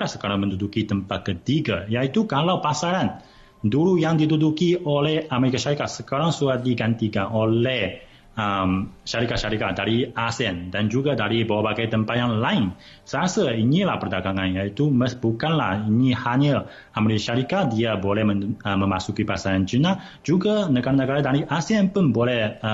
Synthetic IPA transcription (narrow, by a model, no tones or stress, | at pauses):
sə̥kaɾaŋmə̃ndudukit̪əmpat̪̚kət̪iɡajait̪ukalawpasaɾan | duɾujaŋdit̪udukiʔolɛhameɾikaʃaɾikat̪̚səkaɾaŋsuat̪̚diɡant̪ikanʔolɛh | əmʃaɾikat̪̚ʃaɾikat̪̚daɾiasɛndand͡ʒuɡadaɾibawabaɡajt̪əmpat̪̚jaŋlaɪn | səasainila̰hpərdaɡaŋanjait̪uməbukanlahinihaɲa | ameɾikaʃaɾikat̪̚diabolɛhməəməmasukipasaɾand͡ʒina | d͡ʒuɡanəɡaɾanːəɡaɾadaɾiʔasianpʊnbolɛhə